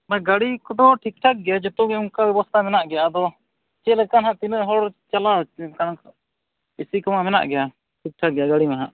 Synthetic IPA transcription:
maɡaɽikɔʈɔʈʰik̚ʈʰak̚ɡɛjad͡ʒɔt̪ɔɡɛuŋkabɛbɔst̪ʰamɛnaʔɡɛjad̪ɔ | t͡ʃɛlɛkanɦaʔt̪inəʔɦɔɽt͡ʃalakank | isikɔmamɛna̰ʔɡɛja | ʈʰik̚ʈʰak̚ɡɛjaɡaɽimaɦaʔ

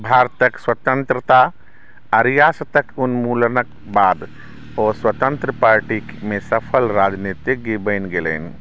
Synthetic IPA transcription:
bʱaɾt̪əkswət̪ənt̪ɾət̪a | əɾijast̪əkunmulnək | bad̪ | oswət̪ənt̪ɾəpaɾʈikmesəpʰəlɾad͡ʒnit̪ik̚ɡibəɪnɡelə̰ni

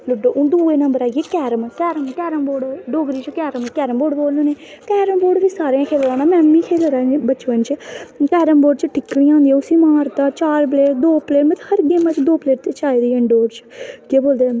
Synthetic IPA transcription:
lʊɖoːʔʊ̃ːd̪uːeːnəmbəɾaːɡeːkɛːɾəmkɛːɾəmkɛːɾəmboːɖɖoːɡɾiːt͡ʃkɛːɾəmkɛːɾəmboːɖboːlnõːneːkɛːɾəmboːɖʋiːsaːɾãːkʰeːlɾaːnaːmɛ̃ːnmĩːkʰeːlɾaːbət͡ʃʋənt͡ʃəkɛːɾəmboːɖt͡ʃəʈʰɪkːɽiːãːnd̪iɛʊsiːmaːɾt̪aːt͡ʃaːɾpleːʈd̪oːpleːʈmɛ̃t̪həɾɡeːmãːt͡ʃd̪oːpleːʈt̪eːt͡ʃaːiːd̪iːə̃ɳɖoːɖt͡ʃkeːboːld̪eː

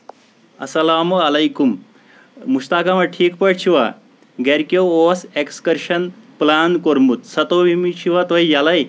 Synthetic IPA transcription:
ɐ̰sɐlaːmɐlɐjkum | muɕt̪aːkamɐʈʰiːkpəɽt͡ɕʰiʋa̰ | ɡɛɾkjoosekskəɾɕənplankoɾmut̪sɐt̪oʋimiɕiʋat̪ʋɐjjalaj

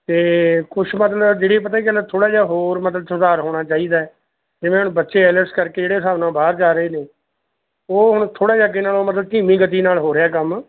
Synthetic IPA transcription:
t̪eːkʊt͡ʃʰmət̪ləbd͡ʒeːɽip̬ət̪̬aːiknãt̪ʰoːɽaːd͡ʒaːɦoːɾmət̪ləbsʊd̪aːɾɦoːɽ̃aːt͡ʃaːiːd̪aːɛː | d͡ʒɪʋẽːɦʊɳbətːʃeːɛːləɾskəɾkeːd͡ʒeːɽeːʊsaːʋnãːbʱaːɾd͡ʒaːɾəeːneː | oːɦʊɳt̪ʰoːɽaːd͡ʒaːɡenaːloːmət̪ləb̚ʈiːmĩːɡət̪iːnaːlɦoːɾeaːkəm

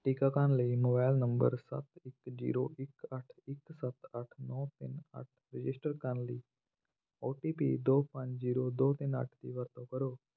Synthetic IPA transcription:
ʈiːkakanliːmoːbaːɪlnə̃mbə̰ɾsɐ̰t̪ɪkd͡ʒḭːɾoːʔɪkəʈʰɪksət̪ɐʈʰnɔːt̪ɪnə̰ʈʰɾɪd͡ʒɪsʈəɾkanliː | oːʈiːpiːd̪oːpɐ̃ɲd͡ʒziːɾoːd̪oːt̪ɪnə̰ʈʰd̪iːʋəɾt̪õkɐɾoː

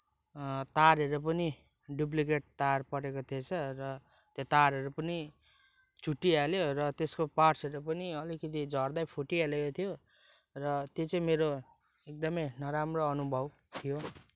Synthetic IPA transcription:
t̪aɾʌɾupʌni | ɖup̬likeʈ̚t̪aarpʌɽekot̪ʰet͡sʰʌrʌt̪jot̪aɾɦʌɾupʌni | t͡suʈːialjoɾʌt̪eskoparsʌɾupʌniʌlikʌt̪id͡zʱʌrd̪ajpʰoʈialekot̪ʰijorʌt̪jet͡sʌ̃ĩmeɾo | ek̚d̪ʌmʌjnʌɾamroʌnubʱʌbt̪ʰijo

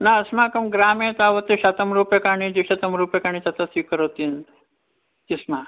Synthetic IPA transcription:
naɐsmaːkɐmɡɾaːmẽt̪aːʋɐt̪iʃɐt̪ɐmɾuːpjekaːɳĩd͡ʒiʃɐt̪ɐmɾuːpjekaːɳit̪ɐt̪ɐsikɐɾot̪in | t̪ismãː

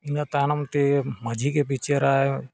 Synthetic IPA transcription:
inat̪aːnɐmt̪emɐd͡ʒʱikep̬it͡ʃeɾaːe

